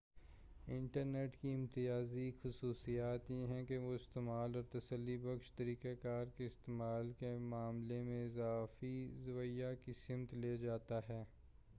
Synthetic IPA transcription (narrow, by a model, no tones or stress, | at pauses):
ɪ̰̃ɳʈəɾneːʈkiɪ̃mt̪ɪaːzixʊsuːsijaːt̪jeɦɛ̃keʋoɪst̪emaːlɔːɾt̪ɐsəlːibɐkʃt̪ɐɾiːkekaːɾkeɪst̪eːmaːlkemaːmlemẽɪzaːfizʊwəjakisɪmt̪led͡ʒaːt̪aɦɛː